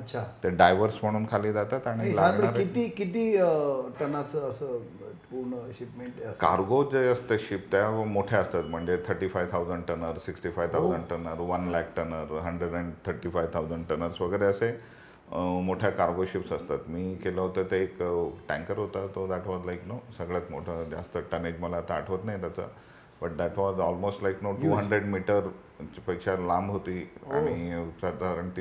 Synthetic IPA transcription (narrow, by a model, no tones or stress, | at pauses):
ətːt͡ɕʰat̪eɖajʋəɾsm̤əɽ̃uːnkʰaliːd͡zat̪at̪aɽ̃ilaɡɳaɾkit̪ikit̪iːʈənat͡səəsə | puɾɳəɕipmeʈəkaɾɡod͡zəjəst̪əɕip̚t̪jamoʈʰjaəst̪at̪m̤əɳd͡zet̪ʰəɾʈifajʋt̪ʰawd͡zəɳɖʈənəɾsiksʈifajʋt̪ʰawd͡zəɳɖʈənəɾʋənlɛkʈənəɾɦəɳɖɾəɖɛɳɖt̪ʰəɾʈifajʋt̪ʰawd͡zəɳɖʈənəɾsʋəɡəɾeəse | moʈʰjakaɾɡoɕipsəst̪at̪miːkeləɦot̪ət̪eekʈɛ̃ŋkəɾɦot̪at̪ɔd̪æʈʋɔzlajknosəɡɭjat͡smoʈʰəd͡ʑa̰st̪əʈəned͡ʑməlaːt̪aːʈʰʋət̪najt̪at͡sə̰ | bəʈ̚d̪æʈʋɔzɔlmosʈlajknoʈuːɦəɳɖɾeɖmiʈəɾ | t͡ɕipəkɕalãmbɦot̪iːa̰ɽ̃isəd̪ʱaɾəɳ